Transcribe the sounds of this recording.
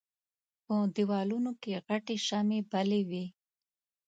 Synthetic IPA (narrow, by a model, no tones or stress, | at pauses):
pəd̪iwɑlunokeɣaʈeʃamebalewi